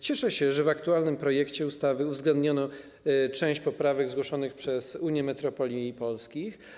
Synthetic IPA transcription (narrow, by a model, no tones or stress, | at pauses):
t͡ɕɛʂɛɕɛʐɛvakt̪ualnɘmpɾɔjɛkt͡ɕɛust̪avɘuvzɡlɛnd̪ɲɔnɔ | t͡ʂɛ̃w̃ɕt͡ɕpɔpɾavɛɡzɡwɔʂɔnɘxpʂɛzuɲjɛmɛt̪ɾɔpɔlʲiːpɔlskʲix